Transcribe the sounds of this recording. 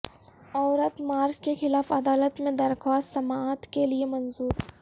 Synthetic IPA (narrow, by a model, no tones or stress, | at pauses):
ɔːɾət̪maːɾd͡ʒkexɪlaːfɐd̪aːlət̪mẽd̪ɐɾxaːst̪sɐmaːt̪keliemɐnzuːɾ